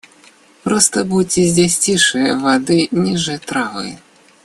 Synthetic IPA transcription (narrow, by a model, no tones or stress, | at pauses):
pɾɔst̪ɐbut͡sʲizʲd͡zʲasʲt͡sʲiʂɨjɐvad̪ɨnʲiʐɨjt̪ɾavɨ̰jɐ